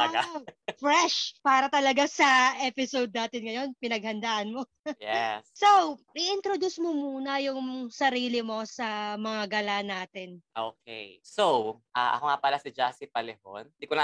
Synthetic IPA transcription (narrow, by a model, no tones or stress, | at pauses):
ɐɡafɾɛʃpaːɾɐt̪ɐlɐɡasɐʔɛpɪsowd̪̚naːt̪ɪnŋɐjo̞npɪnɐɡ̚hɐnd̪aːʔɐnmo̞ | jɛ̰ssowʔɪʔɪnt̪ɾod̪usmomuːnɐjʊŋsɐɾiːlɪmo̞sɐmɐŋaɡɐlanaːt̪ɪnʔo̰ːkḛjsowʔaʔɐ̰koŋapɐlasɪd͡ʒasɪpɐlɛho̰nd̪ikona